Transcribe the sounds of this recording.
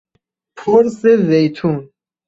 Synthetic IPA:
pʰoɾsevejt̪ʰũn

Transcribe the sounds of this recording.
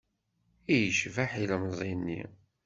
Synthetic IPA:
ijəʃvaħiləmzˤinːḭ

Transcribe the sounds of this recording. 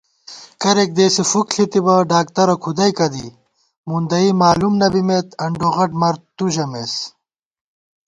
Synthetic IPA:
kɐɾek̚d̪eːsifukɬit̪ibɐɖaːk̚t̪ɐɾɐkʰud̪ɐjkɐd̪i | mund̪ɐimaːlumnɐbimet̪ɐɳɖoʁɐʈmɐɾt̪ːuʑɐmes

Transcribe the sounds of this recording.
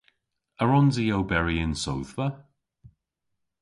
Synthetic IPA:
əɹɔnzijowbɛɹiɪnso̰wðvə

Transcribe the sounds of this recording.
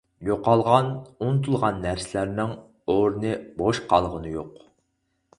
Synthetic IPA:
joqɑlˠʁɑnunɨt̪ʰulˠʁɑnːæɾsɪlæɾnɪŋ | oɾnɨboʃqʰɑlˠʁənɨjoq

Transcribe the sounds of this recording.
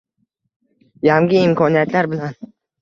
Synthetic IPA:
jaŋɡʲɪːmkʰɒnijat̪laɾbɪlan

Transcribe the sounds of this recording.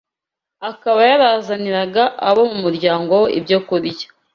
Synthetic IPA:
akaβajaβazaniɾaɡaʔːβomumuɾɟaːŋɡo̞woʔḭbɟoːkuɾijḁ

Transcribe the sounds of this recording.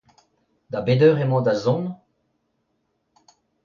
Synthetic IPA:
d̪abedœːʁemɑ̃d̪azɔ̃n

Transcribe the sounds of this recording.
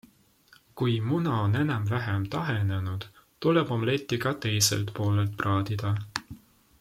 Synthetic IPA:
kujmunɑone̞nɑmvæɦemt̪ɑɦene̞nud̪̥t̪ulebomle̞t̪ːˑiɡ̥ɑt̪e̞jse̞̰lt̪po̞ːlelt̪̚prɑːd̪̥id̪̥ɑ

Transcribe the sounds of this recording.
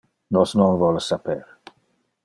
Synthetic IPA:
nɔsnɔnvɔlsapɛɾ

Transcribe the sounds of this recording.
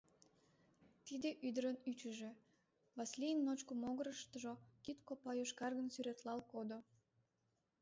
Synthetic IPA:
t̪id̪eʔyd̪əɾənyt͡ɕəʒe | βɑslʲijənːot͡ɕkəmoɣəɾəʃt̪əʒokit̪kopɑjoʃkɑrɣənsyɾet̪lɑlkod̪o

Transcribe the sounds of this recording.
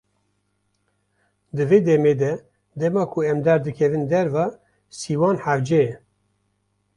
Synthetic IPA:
d̪ɨveːd̪ɛmeːd̪ɛ | d̪ɛmɑːkʰuɛmd̪ɑːɾd̪ɨkʰɛvɨnd̪ɛɾvɑː | siːwɑːnħavd͡ʒɛjɛ

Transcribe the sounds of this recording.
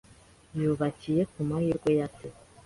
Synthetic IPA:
juβacije̞kumajiɾɡwo̞jate

